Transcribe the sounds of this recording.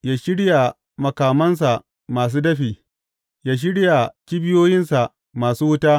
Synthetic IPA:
jaː˦ʃɪ˦ɽja˨ | mɐ˨kaː˨mɐ˦ns̬a˨ʔ | maː˨s̬uː˦dɐ˦ɸiː˨ | jaː˦ʃ̬ɪ˦ɽja˨kʲiː˦bɪ˦joː˦jɪ˦nsa˨ | maː˨suː˦wʊ˦taː˦

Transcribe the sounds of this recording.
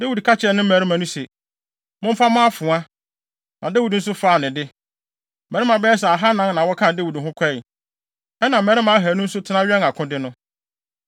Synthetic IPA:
de˦wi˨dkʰa˦t͡ɕʰɪ˨ɛ˨nɪ̃˦m̩˦mæ˨ɾi˦mã˨nʊ̃˦sɛ˨ | mʊ̃˦m˦fa˦mã˦a˦fʊ̃˨a˦ | nã˨dɛ˦wi˨dn̩˦s̬ʊ˦faː˨nɪ̃˨dɪ˦ | mæ̃˨ɾɪ˦mã˨bɛ˦ɛ˦s̬ɛ˨a˨ɦa˦nã˦nnã˨wɔ˦kʰã˦˨dɛ˦wi˨dɦʊ̃˦kʷʰɛ˦ɪ˨ | ɛ˦nã˨m̩˨mɛ˨ɾɪ˦mã˨˦a˦ɦæ˨nʊ̃˦n̩˦sʊ˦tʰɪ˨˦nã˦ɥᶣɛ˦na˨kʰʊ̃˦dɪ˦nʊ̃˦

